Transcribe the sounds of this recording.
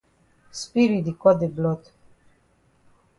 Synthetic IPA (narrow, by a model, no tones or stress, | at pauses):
spiɾid̪ikɔd̪iblɔt̪